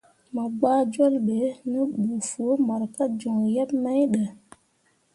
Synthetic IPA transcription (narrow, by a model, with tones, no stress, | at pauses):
ma˨ɡ͡baː˦d͡ʒo˦lɓe˨˦nə˦ɓu˨fu˨o˨˦ma˨ɾka˦d͡ʒɔ˨ŋjɛ˦p̚ma˦jɗə˨